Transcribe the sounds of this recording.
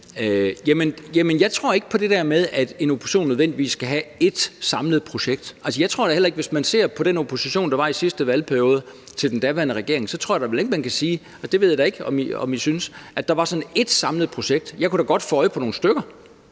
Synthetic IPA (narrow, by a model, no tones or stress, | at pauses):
jæmənjæmənjɑ̈ɪt͡sʰʁo̝ɐ̰e̝ɡ̥əpʰɒ̽d̥e̝d̥æɐ̰með̞ˠæd̥e̝no̝pʰo̝̥ɕo̝̰ːnːøðˠʋen̰d̥iʋḭːsːkæɦæe̝d̥sɑ̈mləð̞̩ˠpʰʁo̝ɕeɡ̥̚d̥ʔæls̬əjɑ̈ɪt͡sʰʁo̝ɐɾɑhel̰ɐe̝ɡ̥ʋe̝smænse̝ɐ̰pʰɒ̽ɾ̥eno̝pʰo̝siɕo̝̰ːnd̥ɑ̈ʋɑ̈isisd̥əʋælpʰæɐijo̝ːð̞ˠə | t͡sʰe̝ld̥end̥æʋæɐnəʁɛɡ̥e̝ɐ̰e̝ŋsɒ̽t͡sʰʁo̝ɐ̰jɑɾɑ̈ʋele̝ɡ̥əmænkʰæsiː | sd̥e̝ʋe̝ð̰ˠjd̥ɑe̝ɡ̥ɒ̽mɒ̽misynsʔæd̥ɑ̈ʋɑ̈sɒ̽ne̝d̥sɑ̈mləð̞̩ˠpʰʁo̝ɕeɡ̥̚d̥jɑ̈ɪkuɾ̥ɑ̈ɡ̥ɒ̽d̥fɔɒ̽ɪpʰɒno̝ːn̩sd̥øɡ̥ɐ